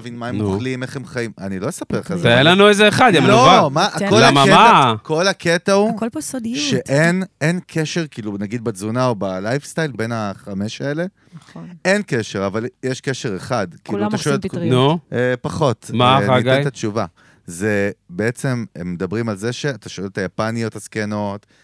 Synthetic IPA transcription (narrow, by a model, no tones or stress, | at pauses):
vinmaenmoχlime̞χemχaima̰nilo̞mesapeχazenlanuezeːχad̪emloamakolamaakʰo̞lakʰet̪aukolposod̪ʃeʔenenkʰeʃeʁkiːlunaɡid̪̚bad͡zunao̞balajfst̪ajlbe̞nhaχame̞ʃaele̞ | ne̞nkeʃe̞ʁavaljeʃkeʃe̞ʁeχadkiiluat̪aʃoeltknupaχo̞tmaaɡejt̪ːat͡ʃuva | zebe̞et͡se̞memːed̪abʁimalzeʃe̞at̪aʃo̞elet̪ajapanijothaskeno̞t